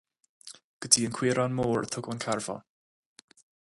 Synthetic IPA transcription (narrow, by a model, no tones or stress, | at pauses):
ɡ̥ədiənkʰw̥ɪɾanmɔːrθʰʊɡɔnkʰarvɔ̰